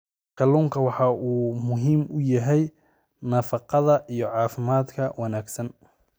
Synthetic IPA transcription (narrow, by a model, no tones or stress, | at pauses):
kʰɐluːŋkʰɐwɑħɑʔuːmʊɦiːmʊjɐɦɛj | nɐfɑqɑðɐʔijɞʕɑːfɪmaːd̪kʰɐwɑnaːɡsɐn